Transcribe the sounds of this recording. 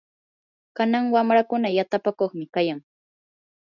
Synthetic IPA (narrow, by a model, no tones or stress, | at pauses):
kanaŋwamɾakʊnajat̪apakoχmɪkajaŋ